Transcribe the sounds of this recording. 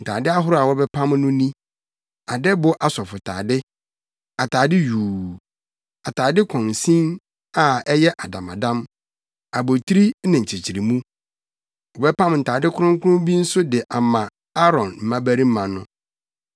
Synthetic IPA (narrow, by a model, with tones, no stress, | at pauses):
n̩˨tʰa̰ː˨dɪ˦a˦ɦʊ˦ɾa˨wɔ˦bɛ˦pʰã˦mnʊ̃˦nĩ˦ | a˨dɛ˦bʊ˦ʔa˨sɔ˨fʊ˨tʰa̰ː˨dɪ˦ | a˨tʰaː˨dɪ˦juː˨ | a˨tʰaː˨dɪ˦kʰɔ̃˨n˨sĩ˦n | a˨ɛ˦jɛ˦ʔa˨dã̰˨mã̰˨dã˦m | a˨bo˨tʰi˦ɾi˦nɪ̃˨ɲ̩˨t͡ɕʰɪ˨t͡ɕʰi˨ɾi˨mũ˦ | wɔ˨bɛ˦pʰã˦m˨n̩˨tʰaː˨dɪ˦kʰʊ˦ʊ̃˦ŋ˦kʰʊ˦ʊ̃˦bi˦n̩˦sʊ˦dɪ˨ʔa˨mã˨ | a˦ɾɔ̃˨nm̩˨mã˦bæ˦ɾi˦m˦mã˨nʊ̃˦